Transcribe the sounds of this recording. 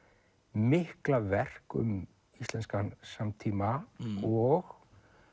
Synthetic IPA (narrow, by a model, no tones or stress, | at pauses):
mɪhklavɛr̥kʏ̰m | ist̪lɛnskansamt̪ʰiːmaɔɣ